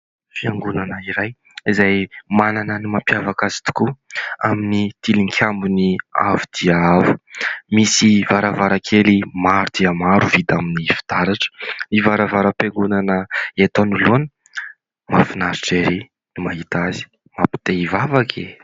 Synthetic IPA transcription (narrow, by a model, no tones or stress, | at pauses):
fiaŋɡunanəiɾaj | izajmananənimampjavakazi̥t̪u̥kuaminit̪iliŋkʰʲambunia̰vud̪̥iaavu̥misivaɾavaɾakʰelimaɾud̪̥iəmaɾuvid̪aminifi̥d̪̥aɾaʈ͡ʂə̥nivaɾavaɾəpeŋɡunanəet̪onuluani | mafinaɾiʈ͡ʂeɾi | nimaɦit̪azi̥ | mapi̥t̪eivavakʰḛ